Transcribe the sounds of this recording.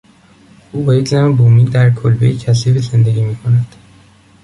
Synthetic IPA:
ʔuːbejecʰnæmebuːmiːnd̪æɾkʰolbejecʰæs̬iɾize̞nd̪eɡʲiːmiːkʰo̞næd̪̥

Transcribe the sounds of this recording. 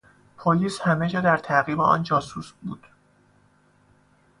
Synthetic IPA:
pʰoliːshæmed͡ʒɒːd̪æɾt̪ʰæɣiːbeɒ̰ːnd͡ʒɒːsusbṵːd̪̥

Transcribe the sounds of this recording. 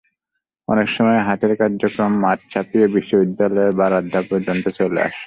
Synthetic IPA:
ɔ̰nekʃɔmɔeɦat̪eɾkaɾd͡ʑokɾomːatt͡ɕʰapiobiʃːobid̪ːalɔebaɾad̪ʱːapoɾd͡ʑont̪ot͡ɕolḛa̰ʃ

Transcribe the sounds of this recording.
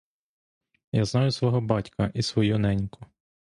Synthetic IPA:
jaznɑjʊsʋɔɦɔbɑtʲkʰɐʔisʋɔjunɛnʲkʰʊ

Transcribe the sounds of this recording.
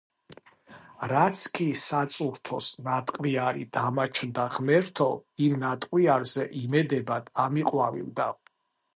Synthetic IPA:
ɾat̪sʰkʼisat̪sʼuɾt̪ʰɔsnat̪ʼqʼwiaɾḭd̪̥amat͡ʃʰnd̪aʁmɛɾt̪ʰɔimnat̪ʼqʼwiaɾzɛʔimɛd̪ɛbad̪̥amiqʼwavḭld̪a

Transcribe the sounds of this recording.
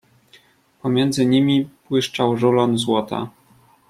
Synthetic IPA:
pɔmʲjɛnd̪zɘɲimʲipwɘʂt͡ʂawʐulɔnzwɔt̪a̰

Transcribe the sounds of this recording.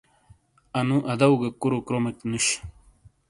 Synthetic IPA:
ɐnũʔɐd̪ɐwɡakuɾokɾomeknuɕ

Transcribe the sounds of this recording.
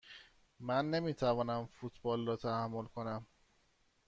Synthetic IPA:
mænːe̞miːt̪ʰævɒːnæmfut̪ʰbɒːlrɒːt̪ʰæhæmːolkʰo̞næm

